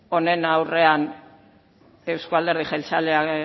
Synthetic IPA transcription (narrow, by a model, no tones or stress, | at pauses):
o̞ne̞nawre̞an | e̞wskoald̪e̞ɾðixalt͡salea